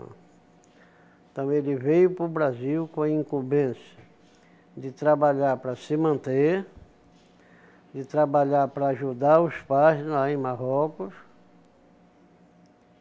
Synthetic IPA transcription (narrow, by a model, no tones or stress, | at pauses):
ẽt̪ɐ̃w̃elɪvejʊpɾʊbɾaziwkõɐĩŋkubẽsɐ | d̪ɪt̪ɾabaʎaɾpɾɐsɪmɐ̃nt̪e | d̪ɪt̪ɾabaʎaɾpɾɐaʒud̪aɾʊspajzlaẽj̃maɦɔkʊs